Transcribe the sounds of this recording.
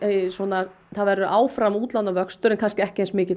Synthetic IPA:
swɔna | θaðvɛɾðʏʔaːwfɾamuːt̪lawnavœkst̪ʏɾɪnkʰanscɪɛhcɪeːnsmɪːcɪt̪

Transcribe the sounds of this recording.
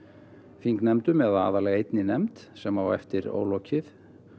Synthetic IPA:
fiŋknɛmt̪ʏmɛðaa̰ːðalɛɣaejt̪nɪnɛmt̪sɛmhavaɛft̪ɪɾo̰ːwlɔwcʰɪθ

